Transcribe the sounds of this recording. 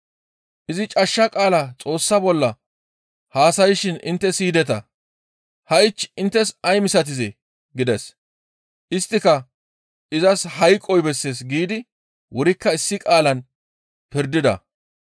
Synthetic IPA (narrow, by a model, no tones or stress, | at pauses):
ʔɪzɪt͡ʃʼɐʃːɐkʼaːlat͡sʼo̞ːsːɐbɔlːɐ | haːsɐjɪʃɪnɪ̰nt̪ːɛsiːd̪ɛt̪ɐ | hɐɪt͡ʃːɪnt̪ːɛsɐjmɪsɐt̪̬ɪzɛ | ɡɪd̪ɛs | ʔɪst̪ːɪkɐ | ʔɪzɐshɐjkʼːɔjbɛsːeːs̬ɡiːd̪ɪ | wʊɾɪkːɐɪsːɪkʼaːlɐn | pɪɾd̪ɪd̪ɐ̰